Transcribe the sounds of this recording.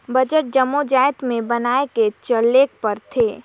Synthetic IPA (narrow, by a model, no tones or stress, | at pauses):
bɐd͡ʒəʈ̚d͡ʒɐmːod͡ʒaːjət̪mẽbɐnaːeket͡ʃəlːeːk̚pəɾt̪ʰeː